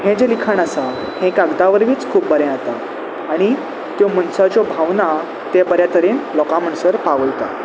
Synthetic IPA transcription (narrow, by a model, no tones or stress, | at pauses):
ɦẽd͡ʑelikʰanasa | hẽkaɡd̪aʋəɾʋiːt͡skʰuːp̚bəɾɛ̃at̪aː | ɽ̃i | t̪jɔmənsat͡ɕɔbʱaʋna | t̪ɛpəɾjat̪əɾenlɔkam̤əɳsəɾpaʋəjt̪a̰